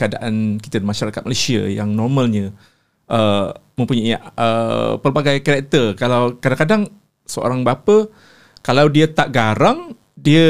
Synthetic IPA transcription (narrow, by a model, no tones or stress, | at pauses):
kəadaʔanki̥t̪ədimaʃaɾakat̪̚malasia̰jaŋnɔrmãlɲə | ʔəmə̃mpuɲaiʔə̰pərbaɡajkaɾak̚t̪ərkalawkadaŋkadaŋ | səo̰ɾaŋbapə | kalawdiət̪aʔɡaɾaŋ | diə